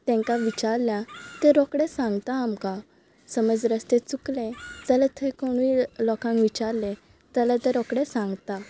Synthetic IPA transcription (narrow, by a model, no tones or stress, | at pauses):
t̪ɛ̃ŋkaʋit͡ɕaɾljat̪ẽɾɔkɽesãŋɡt̪aːmka | səməd͡zɾəst̪et͡suklẽd͡zalet̪ʰekoɽ̃ʋilɔkãŋkʋit͡ɕaɾlẽ | t̪alet̪ẽɾɔkɽesãŋɡt̪a